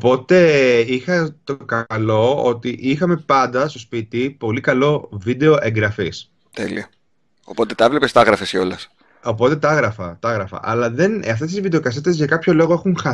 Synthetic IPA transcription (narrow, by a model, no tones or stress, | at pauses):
opo̞t̪e̞ixɐt̪o̞kɐlo̞o̰t̪iʔixɐme̞pɐnd̪ɐst̪o̞spit̪ipo̞likɐlo̞vid̪e̞oʔe̞ŋɡɾɐfis | t̪ḛlḭɐ | opo̞t̪et̪ɐevle̞pest̪ɐɣɾɐfeseo̞lɐs | o̞po̞t̪e̞t̪ɐɐɣɾɐfɐt̪ɐɐɣɾɐfɐ̰ʔɐlɐðe̞nɐft̪e̞st̪izvid̪e̞okɐs̬et̪ezʝɐkɐpço̞lo̞ɣo̞exuŋxɐ